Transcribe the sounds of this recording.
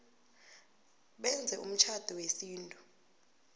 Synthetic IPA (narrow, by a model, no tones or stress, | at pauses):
ɓɛnd͡zʱɛṵm̩t͡ʃʰad̥ʱɔwesiːntʼu